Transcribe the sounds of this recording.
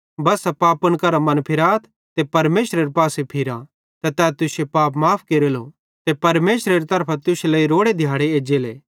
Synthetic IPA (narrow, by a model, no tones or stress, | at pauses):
bɐsɛpaːpʊɽ̃kɐɾamɐnpʰɪɾaːt̪ʰ | t̪epɐɾmeːsɾeɾepaːsepʰɪɾã | t̪ɐt̪ɛːt̪ʊsepaːpmaːpʰkeːɾelo | t̪epɐɾmeːsɾeɾet̪ɐɾpʰat̪ʊseleːiɾoːɽed̪ʱjaːɽeeːd͡ʒeːleː